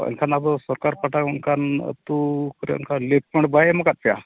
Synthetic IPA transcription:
ə̰ŋkʰanabəsɔɾkaɾpaʈaŋkʰan̰t̪ukəɾɛ̰ŋkʰalep̚peɳʈbajeməkat̪̚pja̰

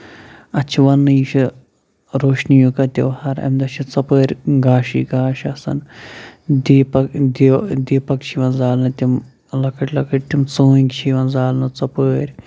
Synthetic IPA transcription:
ɐt͡ʃʰiʋɐnːɨiʃʰi | ɾoːʂnijukɐt̪ʲḭʋhɐɾɐ̰md̪ɐt͡ʃʰit͡sɐpəːɾʲɡaːʃḭɡaːʃɐsɐ̰n | d̪iːpɐkd̪d̪iːpɐkt͡ʃʰiʋɐnzaːlnɨt̪ʲim | lɐkəʈʲlɐkəʈ̚ʲt̪imt͡sõːŋɡt͡ʃʰiʋɐnzaːlnɨt͡sɐpəːɾʲ

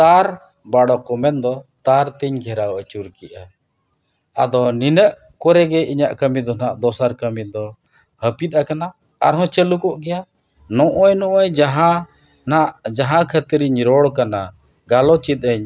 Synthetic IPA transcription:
t̪aɾ | baɽɔkɔmɛnd̪ɔt̪aɾt̪iɲɡʱɛɾawat͡ʃuɾkiʔa | a̰d̪ɔninəʔ | kɔɾɛɡɛʔiɲaʔkəmid̪ɔnaʔd̪ɔsaɾkəmid̪ɔ | həpit̪̚akana | a̰ɾɦɔ̃t͡ʃəlukɔʔɡɛja | nɔ̃ʔɔjnɔʔɔjd͡ʒaɦã | naʔd͡ʒaɦãkʰət̪ɾiɲɾɔɽkana | ɡalɔt͡ʃit̪̚ˀəɲ

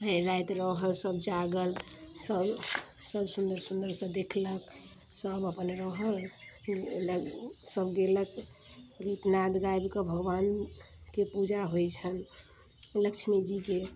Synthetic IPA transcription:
ɦəɾajt̪ɾəɦəlsəbd͡ʒaɡəlsəbsəbsund̪əɾsund̪əɾsə̃d̪ekʰlək | səbəpənɾəɦəl | ləsəbɡelək | ɡit̪nad̪ɡajbkəbʱəɡʋan | kepud͡ʒaɦojt͡ʃʰən | ləkt͡ʃʰmed͡ʒike

